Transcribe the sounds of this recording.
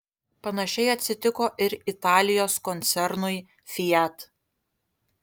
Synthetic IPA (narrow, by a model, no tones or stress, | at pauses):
pɐnɐʃʲɛɪɐt̪ʲsʲɪt̪ʲɪkoːʔɪɾɪt̪ɑːlʲɪjoːskɔnʲt̪sʲɛɾnʊɪ | fʲɪjɛt̪